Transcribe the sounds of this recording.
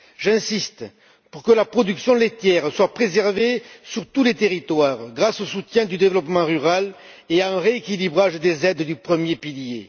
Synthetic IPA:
ʒɛ̃sist̪ | puʁkəlapχɔd̪yksjɔ̃let̪jɛʁswapχezɛʁvesyʁt̪ulet̪eʁit̪waʁɡʁasosut̪jɛ̃d̪yd̪evəlɔpmɑ̃ʁyʁal | eaɛ̃ʁeekʲilibʁaʒd̪ezɛd̪d̪ypχəmjepilje

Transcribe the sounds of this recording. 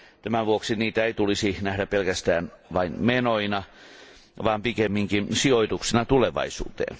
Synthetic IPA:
t̪æmæʋuoksiniːt̪æeit̪ulisinæhɾæpelkæst̪æːn | ʋɑinmenoinɑ | ʋɑːmpikemːiŋkinsioit̪uksinɑt̪uleʋɑ̰isṵːt̪ḛːn

